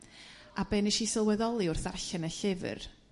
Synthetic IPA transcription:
abɛːniʃisɪlˠwɛðɔlˠiʊrθarɬɛnəɬɪvɨ̰r

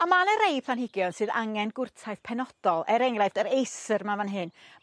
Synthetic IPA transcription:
amanəɾejpʰˠanɦɪɡjɔnsɨːða̰ŋɛnɡʊrtʰajθpʰɛnɔd̥ɔlˠɛɾɛŋrajvdəɾejsərmavanɦɨn

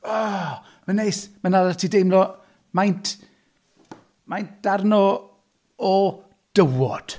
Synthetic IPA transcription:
ɔ | mənejsmanalatʰiːdejmlɔ | majntʰ | majnt̚d̥arnɔ | ɔ | d̥əwɔd̥

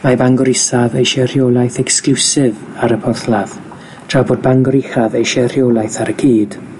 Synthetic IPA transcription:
mabaŋɡɔɾɪsavejʃɛr̥joːlˠajθɛksklˠusɪv | aɾəpʰɔrθlˠað | d̥ʰrabod̚baŋɡɔɾɪχaðejʃɛrjolˠajθaɾəɡ̥iːd̥

